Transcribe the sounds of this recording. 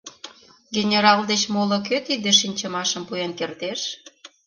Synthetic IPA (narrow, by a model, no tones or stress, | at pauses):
ɡenʲeɾɑld̪et͡ɕmolok̬øt̪id̪eʃinʲt͡ɕə̆mɑʃəmpuenkert̪eʃ